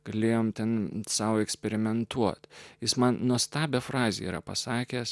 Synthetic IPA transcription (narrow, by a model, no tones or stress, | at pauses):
ɡ̥ɐlʲeːjoːmt̪ʲɛnsɑːʋoɛksʲpʲɛɾʲɪmʲɛnt̪uɔt̪jɪsmɐnnuɔst̪ɑːbʲɛfɾɑːzʲḛiːɾɐ̰pɐsɑːkʲeːs